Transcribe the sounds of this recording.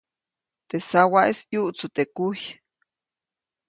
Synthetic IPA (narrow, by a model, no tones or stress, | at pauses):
t̪esawaʔesjuʔt͡sut̪ekuj